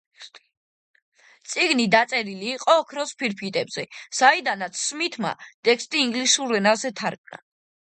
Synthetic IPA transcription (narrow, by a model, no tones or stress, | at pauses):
t̪sʼiɡnid̪at̪sʼɛɾiliːqʼɔːkʰɾɔspʰiɾpʰit̪ʼɛbz̥ɛsaid̪anat̪sʰsmit̪ʰma̰t̪ʼɛkʰst̪ʼiːŋɡlisuɾɛnazɛt̪ʰaɾkʼna̰